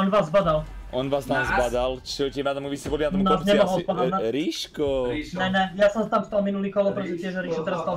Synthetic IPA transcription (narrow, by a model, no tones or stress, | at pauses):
ɔnʋaːzːbad̪al | ɔnʋaːsnamzbad̪alt͡ʃɛcɛmat̪amuʋisɛʋɔlbinat̪nasɲɛmɔɦɔlspad̪aɾiʃkɔɲɛɲɛjasɔmst̪amst̪alminuliːkɔlɔpɾɛt̪ɔzɛt̪ɪɛʒɛɾiʃɔt̪ɛɾast̪al